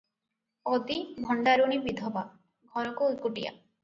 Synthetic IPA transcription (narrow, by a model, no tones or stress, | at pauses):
ɔd̪ibʱɔɳɖaɾuɽ̃ibid̪ʱɔba | ɡʱɔɾɔkuukuʈija̰